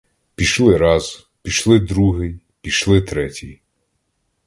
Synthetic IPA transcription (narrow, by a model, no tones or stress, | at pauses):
pʲiʃlˠɪɾɑz | pʲiʃlˠɪd̪ɾuɦɪj | pʲiʃlˠɪt̪ɾɛtʲḭj